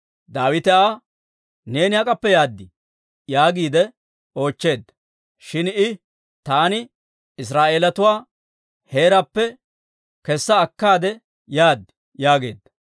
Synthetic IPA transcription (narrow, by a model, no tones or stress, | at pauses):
d̪aːwɪt̪ɛaː | ne̞ːnɪhɐkʼɐpːɛjaːd̪ːɪ | jaːɡiːd̪ɛ | o̞ːt͡ʃːe̞ːd̪ːɐ | ʃɪnɪ | t̪aːnɪ | ɪs̬ɾaːʔe̞ːlɐt̪ʊwaː | he̞ːɾɐpːɛ | kɛsːɐːkːaːd̪ɛ | jaːd̪ːɪ̥ | jaːɡe̞ːd̪ːɐ̥